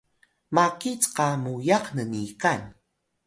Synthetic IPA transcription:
makit͡sqɑmujɑqnənikan

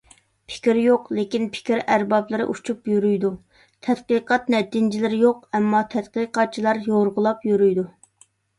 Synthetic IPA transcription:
pʰɪ̥kʲɾjoqlekʲinpʰɪ̥kʲɾæɾbɑblˠɨɾɨ̰ʔut͡ʃʰupjyɾyjd̪u | t̪ʰɛt̪qəqɑt̪nɛt̪ɪnd͡ʒɪlɪɾɪjoqɛmːɑt̪ʰɛt̪qəqɑt̪̚t͡ʃʰilˠɑɾjoɾʁʊlˠɑpjyɾyjd̪u

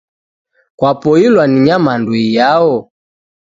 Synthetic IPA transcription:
kwapɔilwaniɲamanduijaɔ

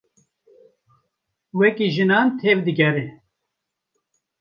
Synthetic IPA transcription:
wɛkiʒɨnɑːnt̪ʰeːvd̪ɨɡɛɾe

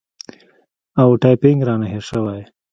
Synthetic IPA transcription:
awʈɑjpɪŋɡɾɑnaɦeʃəwaj

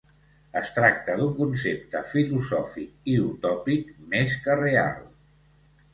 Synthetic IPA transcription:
əst̪ɾak̚t̪əd̪uŋkunsep̚t̪əfiluzɔfik̚iut̪ɔpikmeskərea̰lˠ

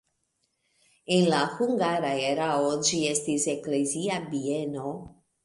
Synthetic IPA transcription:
enlahuŋɡaɾaeɾaod͡ʒie̞stisekleziabieno̞

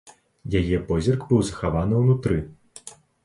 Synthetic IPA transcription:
jajɛpɔzʲirɡbɨwzɐxavanɨwnut̪ɾɨ

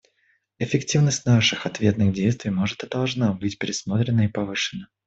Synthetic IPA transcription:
ɪfʲɪktʲivnəsʲtʲnaʂɨxɐt̪vʲe̞t̪nɨɣdʲejst̪vʲɪjmo̞ʐɨt̪ɨd̪ɐlˠʐnabɨtʲpʲɪɾʲɪsmo̞t̪ɾʲɪnəipɐvɨʂɨnːə

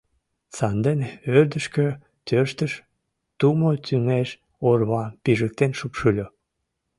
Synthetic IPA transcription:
t͡sɑnd̪enørd̪əʃkø | t̪øʃt̪əʃ | t̪umot̪yŋeʃ | orβɑpiʒək̚t̪enʃupʃulʲo

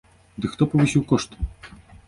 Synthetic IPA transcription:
d̪ɨkxt̪ɔpɔvɨsʲiwkɔʂt̪

